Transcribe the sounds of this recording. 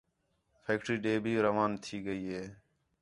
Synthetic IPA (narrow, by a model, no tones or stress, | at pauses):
pʰeːkʈɾiːɖeːbʱiːɾəʋaːnt̪ʰiːɡəiːɦeː